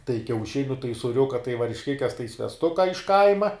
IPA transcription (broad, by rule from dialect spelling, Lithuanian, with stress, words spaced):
tɐɪ kʲɛʊˈʃʲɪnʲʊ tɐɪ sʊˈrʲʊkɐ tɐɪ ʋɐrʲʃʲˈkʲɪkʲɛs tɐɪ sʲʋʲɛsˈtʊkɐ ɪʃ ˈkɐɪmɐ